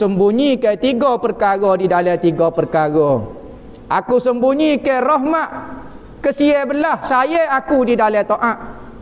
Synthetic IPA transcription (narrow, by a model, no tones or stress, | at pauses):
səmbuɲikat̪iɡɔpərkaɣɔdidalɛt̪iɡɔpərkaɡɔ | ʔakusəmbuɲikarɔɦmaʔ | kəsiebəlahsajeakudidalɛt̪oʔaʔ